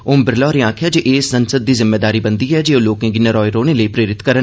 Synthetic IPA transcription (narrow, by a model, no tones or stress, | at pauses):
ʊːmbɪɾlɔːɾeãːkʰjaːd͡ʒeːʔeːsːənsəd̪ːiːzɪmːeːd̪aːɾiːbənd̪iːɛːd͡ʒeːoloːkẽːɡɪnẽːɾɔːiɾoːneːləiːpɾeːɾɪt̪kəɾə